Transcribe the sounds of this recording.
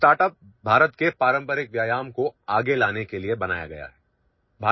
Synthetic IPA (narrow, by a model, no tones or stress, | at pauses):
sʈaːɾʈəp̚ | bʱaːɾət̪kepaːɾə̃mpəɾɪk̚ʋjaːjaːmkoaːɡelaːnekeliebɐna̰ːja̰ɡɐja̰ɦɛː | bʱaː